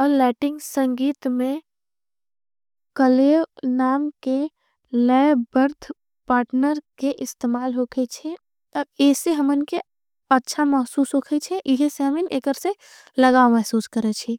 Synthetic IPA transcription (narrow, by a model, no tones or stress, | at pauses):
ɔːɾlɛːʈɪ̃ŋɡsə̃ŋɡiːt̪mẽ | kəleʋnaːmke | nəbəɾd̪ʱ | paːɾʈnəɾkeʔɪst̪eːmaːlɦokʰɛt͡ʃʰɛ | ɔɾeːseɦəmɪnke | ətːʃʰaməɦsuːsɦokʰɛt͡ʃʰɛʔɪɦseɦəmɪneːkəɾse | ləɡaːomɛɦsuːskəɾɛt͡ʃʰi